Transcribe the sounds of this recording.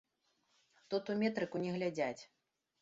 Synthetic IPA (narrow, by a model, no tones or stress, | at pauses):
t̪ut̪umʲɛt̪ɾɨkunʲɛɣlʲad͡zʲat͡sʲ